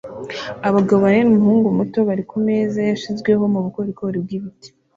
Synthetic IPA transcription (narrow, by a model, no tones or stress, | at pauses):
aβaɡaβoβanenumuhuːŋɡumuto̞βaɾikume̞zajaʃizɡwe̞ɦo̞muβuko̞ɾikoɾib̚ɡiβiti̥